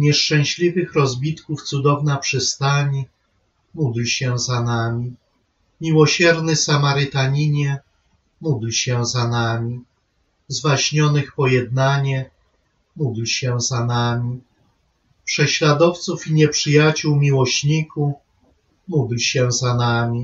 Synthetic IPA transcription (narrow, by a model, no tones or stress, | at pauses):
ɲɛʂt͡ʂɛ̃w̃ɕlʲivɘxɾɔzbʲit̪kuft̪sud̪ɔvnapʂɘst̪aɲi | mud̪lɕɛzanamʲi | mʲiwɔɕɛɾnɘsamaɾɘt̪aɲiɲɛ | mud̪lɕɛzanamʲi | zvaɕɲɔnɘxpɔjɛd̪̚naɲɛ | mud̪lɕɛzanamʲi | pʂɛɕlad̪ɔft̪sufiɲɛpʂɘjat͡ɕuwmʲiwɔɕɲiku | mud̪lɕɛzanamʲi